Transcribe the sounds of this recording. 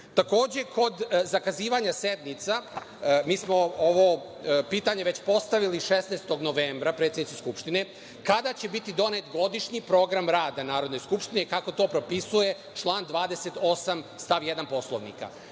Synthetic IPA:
t̪ako̞ːd͡ʑe̞kʰo̞d̪zakaziːʋaɲase̞d̪nit̪sa | miːsmo̞oʋo̞ | piːt̪aɲeʋe̞t͡ɕpo̞st̪aʋiliʃesnejst̪o̞ɡno̞ʋeːmbɾapɾet̪sʲjed̪nit̪iskupʃt̪ine | kad̪at͡ɕe̞bit̪id̪o̞net̪ɡo̞d̪iʃɲipɾo̞ːɡɾamɾaːd̪anaːɾod̪no̞jskupʃt̪inekako̞t̪o̞ːpɾo̞pisuje̞ | t͡ʃlˠaːnd̪ʋaːd̪e̞set̪o̞samst̪aʋje̞d̪anpo̞sloʋnḭka̰

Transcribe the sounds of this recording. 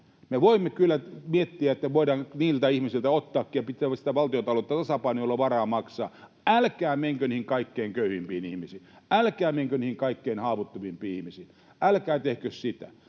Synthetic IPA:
meʋoimːekylːæmiet̪ːiæet̪ːæʋoiɾɑːŋniːlt̪æihmisilt̪æot̪ːɑːkːiːjɑpit̪ːˑæːæsit̪æʋɑlt̪iot̪ɑloet̪ːæt̪ɑsɑpɑinuolːɑʋɑrɑːmɑksɑ̰ː | ælkæːmeŋkønihiŋkɑikːeiŋkøyhimpiːnihmisiːælkæːmeŋkøniːhiŋkɑikːeinhɑːʋut̪ːuʋimpiːihmisiːn | ʔælkæːt̪ehkøssit̪æ̰

